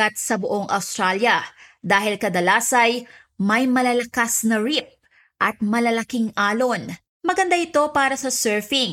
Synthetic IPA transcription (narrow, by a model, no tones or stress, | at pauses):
ɐt̪̚sɐbʊʔo̞ŋʔɐ̰wst̪ɾaljɐd̪aːhɪlkɐd̪ɐlaːsɐj | mɐjmɐlɐlɐkasnɐɹip̚ | ʔɐt̪̚mɐlɐlɐkiŋʔaːlo̞n | mɐɡɐnd̪aʔɪt̪o̞paːɾɐsɐsɛɹfɪŋ